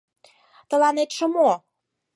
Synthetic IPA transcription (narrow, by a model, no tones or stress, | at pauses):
t̪ə̆lɑnet̪ʃə̆mo